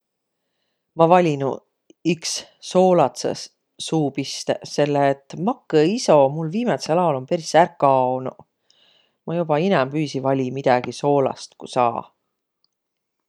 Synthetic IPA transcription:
mɑvɑlʲinu | iksːo̞ːlɑt̪sḛ | suːpist̪ese̞lːeːt̪ːˑmɑkːˑeiso̞mulviːmet̪selɑolo̞mpe̞ɾisærkːˑɑnu | mɑjub̥ɑinɛmpyːsivɑlʲimid̪̥ɑɡ̥iso̞ːlɑ̰st̪kusɑ̰ː

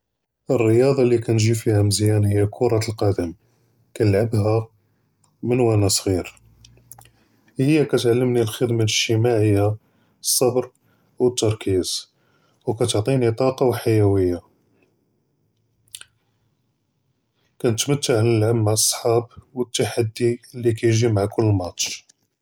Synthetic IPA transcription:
ʔərːəjɑd̪ˤɑlikænʒifihæməzjænhəjːækʰʊɾˤɑt̪əlqɑd̪əm | kænəlʕabhæ | mənwænæsˤɣiɾ | həjːækæt̪ʕalːəmnilxəd̪manʃəmaʕəjːa | sˤːɑbɾ | wət̪ːɑɾˤkʰiz̥ | wkæt̪oʕt̪ˤinit̪ˤɑqɑwħajæwəjːa | kænət̪mət̪ːəʕləlʕamːaʕəsˤːħɑbwət̪ːaħad̪ːilːikæjʒimaʕakʊlːmɑt̪ˤʃ

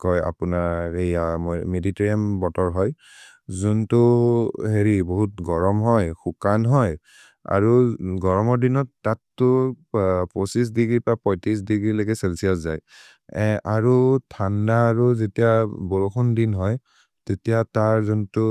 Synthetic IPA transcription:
kɔja̰punaɹejamediteɹiambɔtɔɹɦɔj | zuntʊɦeɹiboɦut̚ɡɔɹɔmɦɔjxukanɦɔj | a̰ɹuɡɔɹɔmɔɹdinɔtːatːʊ | pɔsis̬diɡɹipɹapɔjtis̬diɡɹileɡɛselsiɔszaj | ɛ̃ʔaɹutʰandaːɹuzetijabɔɹoxʰundinɦɔj | tetijataɹzuntʊ

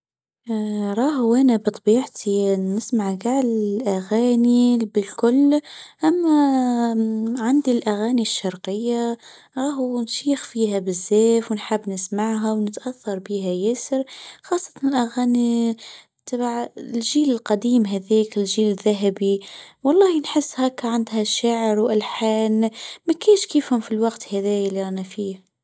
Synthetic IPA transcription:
ɾˤɑːɦʔænæbɨt̪ˤbiːʕt̪ʰinɪsmaʕɡaʕlɪlʔaɣæːnibɪlkʊlːʔæmːæ | ʕand̪ilʔaɣæːniʃːɑɾˤqɪjːa | ɾˤɑːɦunʃiːxfiːɦæbɪzːæːfwnħabːnɪsmaʕɦawnɪt̪ʔaθːɑɾˤbiːɦæjæsəɾxɑːsˤːɑt̪ɑnɪlʔæɣæːni | t̪ˤɑbʕlʒiːlɪlqɑd̪iːmɦæðiːkɪlʒiːlɪðːæɦæbiwɑlˤːɑːhinħɪsːhækːʕand̪hæʃːaʕɾwʔɪlħaːnmækæːnʃkiːfhʊmfilwɑqt̪hæðæːjlːiʔænafiːh

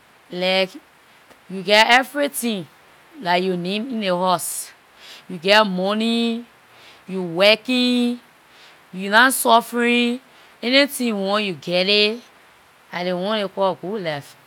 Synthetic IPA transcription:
laɪk | juɡɛtɛvɹitĩn | lajunẽmĩneɦɔs | juɡɛmɔni | juwɛkĩ | junãsɔfɹ̃ĩ | ɛnitĩwɔ̃njuɡɛɾe | adewɔ̃nekɔɡudlaf

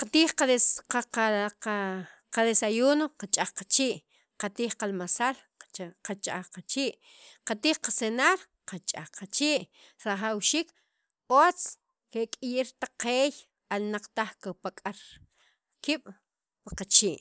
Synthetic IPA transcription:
qat̪iːχqaeaaaqaðesajuːnoqat͡ʃʼaχqat͡ʃiːʔ | qat̪iːχqalmasal | qat͡ʃʼa̰χqat͡ʃiːʔ | qat̪iːχqasenaːɾ | qat͡ʃʼa̰χqat͡ʃiːʔ | ɾaχawʃiːk | ot͡s | kekʼijiɾt̪aqeːj | alnaq͡χt̪aχkapakʼaɾ | kiːɓ̥ | paqat͡ʃiːʔ

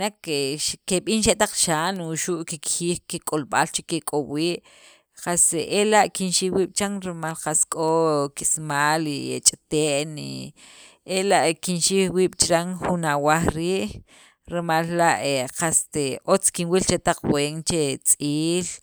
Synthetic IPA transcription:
nakeʃkeɓiːnʃ̬eʔt̪aq͡χʃaːnuʃuʔkikxiːxkikʼolɓalt͡ʃikekʼowiːʔ | qaselaʔkinʃiwiːɓ̥t͡ʃaŋɾemalqaskʼokismaːliet͡ʃʼt̪eʔni | elaʔkinʃixwiːɓ̥t͡ʃɾaŋxunawaχɾiːʔ | ɾemalːaʔeqast̪eot͡skinwilt͡ʃet̪aq͡χɓweːŋt͡ʃet͡sʼiːl

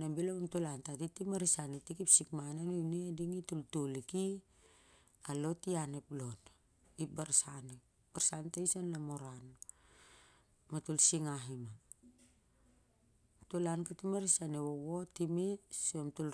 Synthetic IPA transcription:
nambilomamtulantatitimaɾisanitikipsikmananojnediŋitultoliki | alo̞tianeplon | ibaɾsane | b̥aɾsantejsonlamoɾan | matulsiŋaɦima | tulankatimaɾisanewowotimesomtul

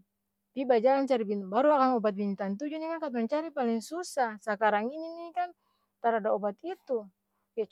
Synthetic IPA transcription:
pibad͡ʒalant͡ʃaɾibinbaɾuakaŋɔbat̪̚bint̪ant̪̬ud͡ʒuɲakankapant͡ʃaɾipaliŋsusahsakaɾaŋininikan | t̪aɾadapɔbat̪it̪u | kɛ

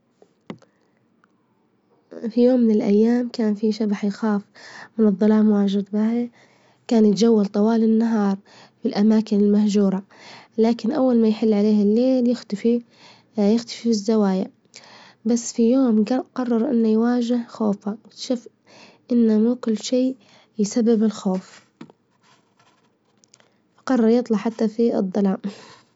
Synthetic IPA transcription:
fijoːmːɪnɪlʔa̰jːaːmkaːnfiʃabaħjxaːfmɪnɨðˤːɑlɑːmwaːʒɪd̪baa | kaːnjɪt̪d͡ʒawːalt̪ˤɑwɑːlɪnːaɦɑːɾˤ | filʔamaːkɪnɪlmahd͡ʒuːɾˤɑ | laːkɪnʔawːalmajħɪlːʕaleːhɪlːeːljɪxt̪fi | jɪxt̪ḁfifɪzːawaːja | basːfijoːmqɑrˤːɑɾˤʔɪ̰nːajwaːd͡ʒɪhxoːfat̪ʃuːf | ʔɪnːamukʊlːʃiː | jsabːɪbɪlxoːf | qɑrˤːɑɾˤjɨt̪ˤlɑħat̪ːafiɨ̰d̪ˤːɑlɑːm

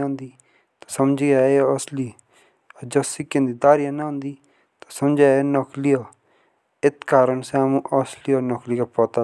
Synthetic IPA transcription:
ʊ̃nd̪iː | t̪ḁsəmd͡ʒiːaeɔsliː | d͡ʒəsikẽːnd̪iːd̪aːɾijãːnaʊ̃nd̪iː | t̪asəmd͡ʒaːenɔklioː | ɪt̪kaːɾəɳsɛ̃mũːʔɔslioːnɔkliːkapɔːt̪a

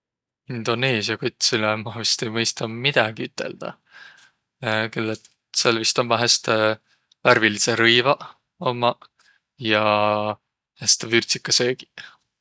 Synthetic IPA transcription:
ind̪̥o̞neːsjɑkot̪ʲˑsilemɑvist̪ejmɤjst̪ɑmid̪̥ɑɡ̥iyt̪ːˑe̞̰ld̪̥ɑ̰ | kelːet̪ | selvist̪omːɑɦæst̪e | væɾviliseɾɯjvɑ | omːɑ | jɑ | hæst̪evyrʲsikːˑɑse̞ːɡ̥i̥

